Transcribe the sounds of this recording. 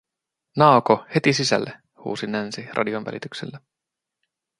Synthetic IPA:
nɑˑokohe̞t̪isisæ̰lːe | hṵːsinænsirʔɑ̰dionʋæ̰lit̪yksḛlːe

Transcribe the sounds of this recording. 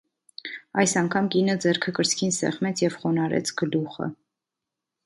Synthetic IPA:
ɑjsɑŋkʰɑmkinəd͡zɛɾkʰəkəɾt͡sʰkʰinsɛ̰χmɛt͡sʰjɛvχɔnɑɾɛ̰t͡sʰɡ̥əluχə̰

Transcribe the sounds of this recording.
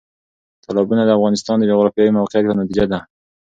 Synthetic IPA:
t̪ʰalɑbunad̪əafɣɑnɪst̪ɑnd̪əd͡ʒoɣɾɑfjɑwimawqeat̪pənat̪id͡ʒad̪a

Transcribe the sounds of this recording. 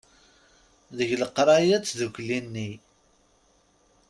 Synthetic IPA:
ðəʝləqːɾˤɑjæt͡sːðukʷlinːi

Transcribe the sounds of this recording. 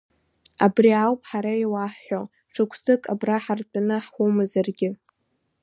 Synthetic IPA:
abriawpʼħaɾaiwaħːo | ʈ͡ʂʰɨkʷʰsɨkʼabraħartʼanɨħʷumɨzarɡʲɪ

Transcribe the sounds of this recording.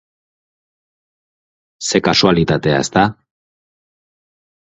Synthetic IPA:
se̞kasualit̪at̪e̞a̰e̞st̪a

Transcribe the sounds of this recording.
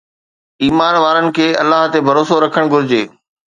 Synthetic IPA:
iːmaːnʋaːɾənɪ̆kʰeːɐ̰lːaːɦt̪ebʱɐɾoːsoɾɐkʰəɽ̃ɡʱʊɾɪd͡ʑeː

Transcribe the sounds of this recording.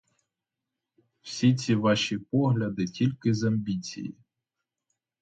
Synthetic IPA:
w̥sʲit͡sʲiʋɑʃipɔɦlʲɐd̪ɪtʲilʲkɪzɐmʲbʲit͡sʲḭjḭ

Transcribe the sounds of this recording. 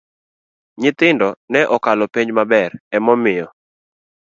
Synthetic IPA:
ɲɪt̪ɪndɔnɛʔɔkalɔpeɲd͡ʒmabɛɾɛmɔmɪjɔ

